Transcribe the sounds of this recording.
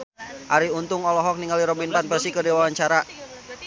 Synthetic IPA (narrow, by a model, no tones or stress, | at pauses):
ʔaɾiunt̪ʊŋɔlɔɦɔk̚niŋaliɾɔbinpanpərsikədewawaɲt͡ʃaɾa